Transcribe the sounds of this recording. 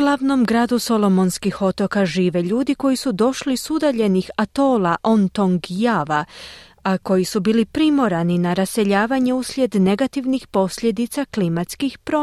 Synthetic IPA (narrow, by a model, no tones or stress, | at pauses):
uɡlˠaʋno̞mɡɾaːd̪uso̞lo̞mo̞nskixo̞t̪o̞kaʒiːʋe̞ʎuːd̪iko̞jisud̪o̞ʃlisud̪aʎe̞nixat̪o̞ːlaʔont̪o̞ŋɡjaʋa | ako̞jisubiːlipɾimo̞ɾaninaɾase̞ʎaːʋaɲe̞uslʲje̞d̪ne̞ɡat̪iʋnixpo̞sʎʲe̞d̪it̪saklimat̪skixpɾo